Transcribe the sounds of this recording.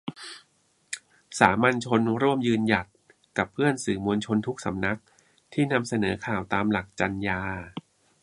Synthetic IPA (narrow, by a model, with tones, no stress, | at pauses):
saː˩˦ma˧nt͡ɕʰo˧nɾu˥˩əmjɯː˧nja˨˩t̪̚ | ka˨˩pʰːɯ˥˩ənsɯː˨˩mu˧nt͡ɕʰo˧nt̪ʰu˦˥k̚sa̰˩˦mna˦˥k̚ | t̪ʰiː˥˩na˧msa˧nɤː˩˦kʰaː˨˩wt̪aː˧mla˨˩k̚t͡ɕa˧njaː˧